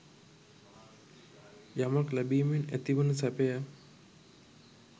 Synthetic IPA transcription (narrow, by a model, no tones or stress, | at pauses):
jamaklæbiːmenæt̪iʋənəsæpeja